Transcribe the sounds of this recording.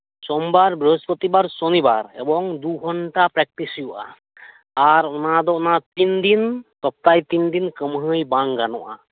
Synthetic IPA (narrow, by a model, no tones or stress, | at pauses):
sɔmbaɹbɹəɦɔspɔt̪ibaɾsonibaɹɛ̰bɔŋd̪uɡʱɔɳʈapɹɛk̚ʈisijuʔa̰ː | ɾɔnad̪ɔɔnat̪ind̪int̪ɔp̚t̪ajt̪ind̪inkəmɦəjbaŋɡanɔ̰ʔa̰